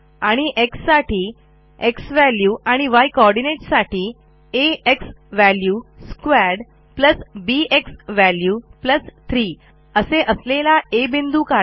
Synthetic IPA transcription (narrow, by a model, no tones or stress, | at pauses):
aɽ̃iʔeksːaʈʰiː | eksʋæljuːʔaɽ̃iʋajkɔɾɖineʈsaʈʰiː | eeks | ʋæljuskʋæɾɽ | pləsbieksʋæljuːpləst̪ʰɾiː | əseʔəslelaebind̪uka